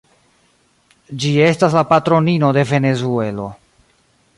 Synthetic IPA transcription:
d͡ʒie̞staslapatɾo̞nino̞de̞ve̞ne̞zue̞lo̞̰

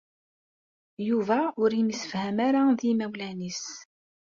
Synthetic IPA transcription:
juvæʊɾimisə̥fhæmaɾaðimæwlænis

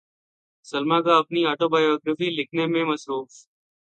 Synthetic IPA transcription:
səlmaːkaːəpniːaːʈoːbaːjoːɡɾəːfiːlɪkʰneːmẽːməsɾuːf

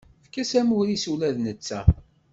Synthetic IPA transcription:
fkːæsæmuɾisulæðnət͡sːæ

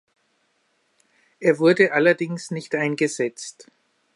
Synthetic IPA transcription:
ʔeːɐvʊɐdəʔalɐdɪŋsnɪçtʔaɪnɡəzɛt͡st

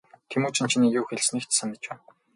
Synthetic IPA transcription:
t̪ʰemuːt͡ɕʰĭnt͡ɕʰiniːjuːxeɮsniːkt̪sanɪ̆t͡ɕpæːn

